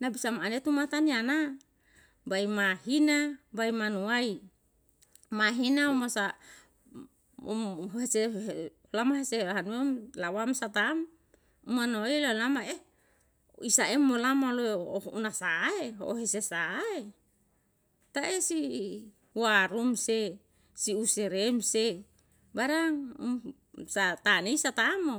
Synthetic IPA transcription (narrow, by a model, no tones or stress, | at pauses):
nabisamaanet̪umat̪aniana | baimaɦinabaimanuai | maɦinaumasa | ɦeseeolamaɦeseaɦanuemlawamsat̪am | umanoailaolamae | isaemːolamaloeounasaeɦo̰ʔoɦesesae | t̪aʔesi | uaɾumse | siuseɾemse | baɾaŋṵm | sat̪aneisat̪amo